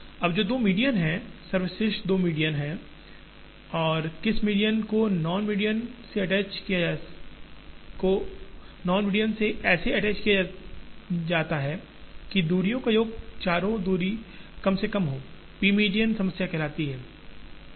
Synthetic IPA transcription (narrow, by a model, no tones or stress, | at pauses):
ɐbd͡ʒoːd̪oːmiːɖijənɦɛ̃sɐɾʋɪsɪʃʈd̪oːmiːɖijənɦɛ̃ | ɔːɾkɪsmiːɖijənkonɔːnmiːɖijənseɐʈɛːt͡ʃkija | ko | nɔːnmiːɖijənseɛːseɐʈɛːt͡ʃkija | d͡ʒaːt̪aɦɛː | kid̪uːɾijõkajoːɡ̚t͡ʃaːɾõd̪uːɾikɐmsekɐmɦoː | piːmiːɖijənsɐməsjakɪlaːt̪iɦɛː